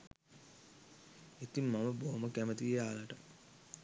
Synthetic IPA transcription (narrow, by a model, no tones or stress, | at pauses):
it̪imːaməboɦoməkæmət̪ieaːlaʈə